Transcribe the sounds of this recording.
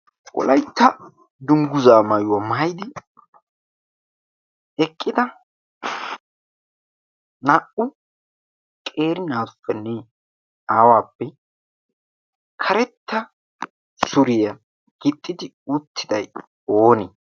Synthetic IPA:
ʔɔ̰lɐjt̪ːɐ | d̪ʊŋɡʊzaːmɐjwɐmɐjd̪ɪ | ɛkʼːɪd̪ɐ | nɐʔʊ | kʼeːɾɪnaːfːɛnːɛ | aːwaːpːɛ | kʰɐɾɛt̪ːɐ | sʊɾɪjɐ | ɡ̥ɪt̪ʼːɪd̪ɪ | ʊt̪ʰːɪd̪ɐj | oːnɪ

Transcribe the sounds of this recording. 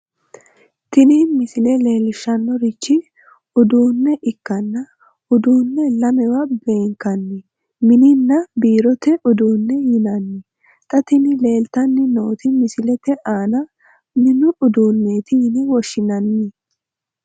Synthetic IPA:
t̪ɪniːmɪsɪlɛleːlɪʃːɐnːɔɾɪt͡ʃːɪ | ʊd̪uːnːɛʔɪkːɐnːɐ | ʊd̪uːnːɛlɐmɛwɐbe̞ːŋkɐnːɪ | mɪnɪnːɐbiːɾɔt̪ɛʔʊd̪uːnːɛjɪnɐnːɪ | t̪ʼɐt̪ɪnɪle̞ːlt̪ɐnːɪno̞ːt̪ɪmɪsɪlɛt̪ɛʔaːnɐ | mɪnʊʔʊd̪uːnːeːt̪ɪɪnɪwɔʃːɪnɐnːɪ

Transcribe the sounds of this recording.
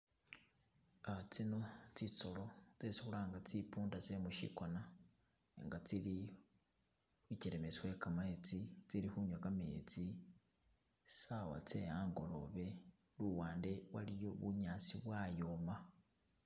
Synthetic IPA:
at͡sino̞t͡sit͡so̞lo̞t͡sesixulaːŋɡat͡sipuːndase̞muʃḭkona | eŋɡat͡sili | xwit͡ʃeɾemesiwekamaet͡sit͡silixuɲwakamet͡si | sawa̰t͡se̞aŋɡo̞lo̞̰βe̞ | luwaːnde̞wa̰lijo̞βuɲaːt͡siβwajoma

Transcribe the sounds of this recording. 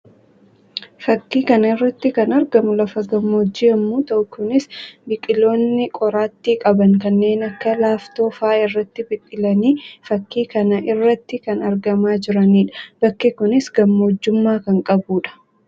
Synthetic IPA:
fɐkːiːkɐnɐɪrːɐt̪ːɪkɐnɐɾɡɐmʊlɐfɐɡɐmːoːd͡ʒːɪɐmːuːt̪ɐʔʊkʊnɪsbɪkʼɪlo̞ːnːɪkʼɔɾaːt̪ːiːkʼɐbɐŋkɐnːe̞ːnɐkːɐlaːft̪o̞ːfaːɪrːɐt̪ːɪbɪkʼːɪlɐniːfɐkːiːkɐnɐʔɪrːɐt̪ːɪkɐnɐɾɡɐmaːd͡ʒɪɾɐniːᶑɐ̥b̥ɐkːɛkʊnɪsɡɐmːɐɔd͡ʒːʊmːaːkɐŋkʼɐbuːᶑɐ̥

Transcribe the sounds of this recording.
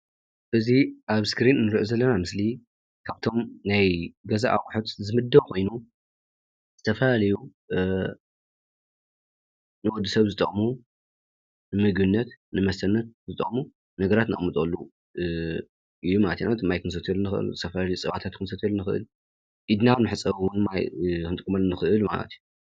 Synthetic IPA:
ʔɨziʔaβskɾinnɨɾiʔozɐlːɐnamɨsli | kʰaβt̪ʰo̞mnajɡɐza̰ʔawħot̪zɨmɨd̪ːɐwkʰo̞jnu | z̥ɨt̪ʰɐfɐlalɐju | nɨwɔd̪ːusɐβzɨt̪ʼɐ̰χʼmu | nɨmɨɡbɨnːɐt̪nɨmɐst̪ʰɐnːɐt̪̚zɨt̪ʼɐ̰χʼmu | nɐɡɐɾat̪nɨ̰χʼmɨt̪ʼɐlːu | ʔɨjːumalɐt̪jnat̪ʰɨmːajkʰɨnsɐt̪ʰɐlunɨxʔɨ̰lzɨt̪ʰɐfɐlalɐjut͡sʼɨβat̪ʰat̪̚kʰɨnsɐt̪ʰɐlunɨxɨʔɨ̰l | ʔid̪naβnɨħɨt͡sʼɐβwnmajkɨnt̪ʼɨkʼmɐlːnɨxɨʔɨlma̰lɐ̰t̪ʰju

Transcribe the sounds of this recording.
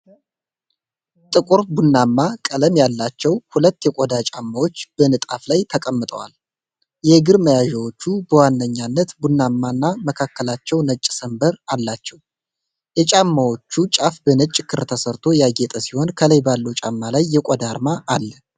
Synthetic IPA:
t̪ʼɨkʼuɾbunːamːakʼələmjalːat͡ʃːɛwhulət̪ːjɛkʷʼod̪at͡ʃʼamːawo̞t͡ʃːb̥ənɨt̪ʼaflajt̪ʰəkʼəmːɨt̪ʼə̰wa̰l | jɛɡɨɾməjaʒɛwot͡ʃːubəwanːəɲːanːət̪bunːamːanːaməkʰakːəlat͡ʃːɛwnət͡ʃʼːsəmbəɾalːat͡ʃːɛw | jɛt͡ʃʼamːawo̞t͡ʃːut͡ʃʼafbənət͡ʃʼːkʰːɨɾt̪ʰəsəɾt̪ʰo̞jaɡe̞t̪ʼəsiho̞nkʰələjbalːəwt͡ʃʼamːalajːɛkʷʼod̪aɾmaʔːlːə

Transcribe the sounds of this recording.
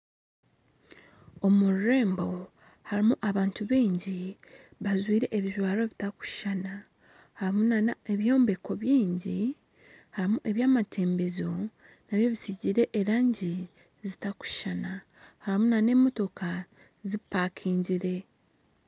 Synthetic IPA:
o̞muɾɾe̞ːmbo̞ | haɾimuʔaβaːntuβiːɲɟi | βazwiːɾe̞ʔeβiʒwaːɾo̞βitaku̥ʃana | haɾimunanae̞βjo̞ːmbe̞ko̞βjiːɲɟi | haɾimuʔe̞βjaːmatʰe̞ːmbe̞zo̞ | naβjo̞βisiɟiɾe̞ʔeɾaːɲɟi | zitaku̥ʃana | haɾimunane̞ːmo̞to̞kʰa | zipːaːkʰiːɲɟiɾe̞

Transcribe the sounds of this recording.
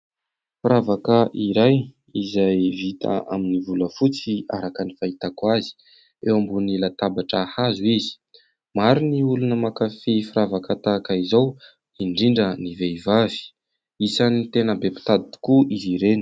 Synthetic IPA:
fɾavakəʔiɾaj | izajvit̪ʰa̰a̰minivuləfut͡sia̰ɾakənifait̪akwazi̥ | ewambunilat̪abaʈ͡ʂahazuizi̥ | maɾiniulunəmakafifuɾavakat̪akaizow | iɳɖ͡ʐiɳɖ͡ʐəniveivavi̥ | isanit̪enəbepi̥t̪ad̪it̪i̥kuiziɾeni̥

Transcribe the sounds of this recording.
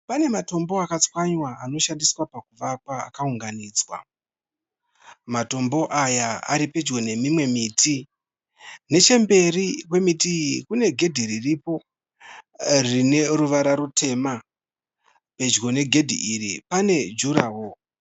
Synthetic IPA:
pane̞mato̞mbo̞akat͡swaɲwaano̞ʃandiswapakuʋakwaa̰kauŋɡaniːd͡zwa̰ | mato̞mbo̞ʔajaa̰ɾipe̞d͡ʒɡo̞ne̞mimwe̞mitʰi | ne̞t͡ʃe̞mbe̞rikwe̞mitiikune̞ɡʱe̞dʱiriripo̞ | rine̞ruʋaɾaɾutʰe̞ma | pe̞d͡ʒɡo̞ne̞ɡʱe̞dʱḭʔiɾipane̞d͡ʒuɾaːwo̞

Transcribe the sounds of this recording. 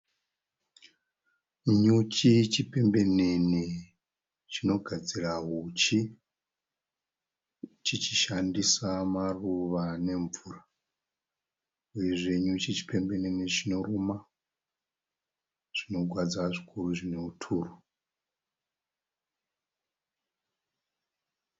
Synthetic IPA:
ɲut͡ʃit͡ʃipe̞mbe̞ne̞ni | t͡ʃino̞ɡʱad͡ziraɦut͡ʃi | t͡ʃit͡ʃiʃandisamaruʋane̞ɱvura | uje̞ʐeɲut͡ʃit͡ʃi̥pe̞mbe̞nenit͡ʃino̞ruma | ʐ̥ino̞ɡʱwad͡zaʐikʰuruʐineutʰuːru

